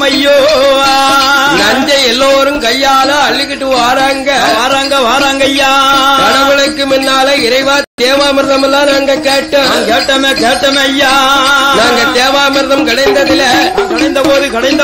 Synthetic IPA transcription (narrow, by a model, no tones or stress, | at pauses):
mɐjːoː | nɐɲd͡ʒɐɛlːoːɾɯmkɐjːaːlaːɐɭːɪkːɪʈːɯʋaːɾaːŋɡɐaːɾaːŋɡɐʋaːɾaːŋɡɐjːaːkɐɽɐʋɪɭɐkːɯmɪnːaːlɐɪɾɐɪʋaːt̪eːʋaːmɪɾðɐmɐlːãːnaːŋɡɐkeːʈːɐkeːʈːɐmeːkeːʈːɐmɐjːaːnaːŋɡɐt̪eːʋaːmɪɾðɐmkɐɽɐɪnd̪ɐðɪlɐkɐɽɐɪnd̪ɐpoːðɯkɐɽɐɪnd̪ɐ